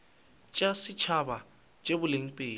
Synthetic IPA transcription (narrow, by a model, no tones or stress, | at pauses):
t͡ʃʼasɪt͡ʃʰaba | t͡ʃʼebʊleŋ̩pʼeː